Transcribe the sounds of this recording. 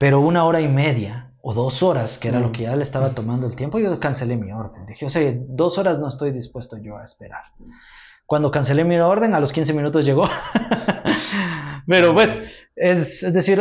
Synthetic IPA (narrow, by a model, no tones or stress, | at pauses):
pe̞ɾo̞unao̞ɾaime̞ðja | o̞ðo̞so̞ɾaskeeɾalo̞ke̞ʝaleːst̪aβat̪o̞mãnd̪oelt̪je̞mpookanse̞le̞mio̞ɾðe̞nd̪ixeoseed̪o̞so̞ɾazno̞est̪o̞jðispwe̞st̪oʝo̞aespe̞ɾa̰ɾ | kwand̪o̞kanse̞lemio̞ɾðe̞ŋalo̞skins̬e̞mĩnut̪̬o̞zʝe̞ɣo̞ | pe̞ɾo̞pwe̞sesezðe̞siɾ